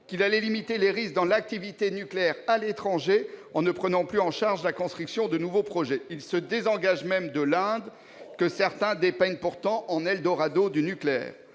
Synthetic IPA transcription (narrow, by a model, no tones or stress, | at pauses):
kʲilalɛlimit̪eleʁis̚d̪ɑ̃lak̚t̪ivit̪enykleɛʁalet̪χɑ̃ʒeɑ̃nəpχənɑ̃plyɑ̃ʃaʁʒlakɔ̃st̪χyksjɔ̃d̪ənuvopχɔʒɛilsəd̪ezɑ̃ɡaʒmɛmd̪əlɛ̃d̪ | kəsɛʁt̪ɛ̃d̪epɛɲpuʁt̪ɑ̃ʔɑ̃nɛld̪ɔʁad̪od̪ynykleɛ̰ːʁ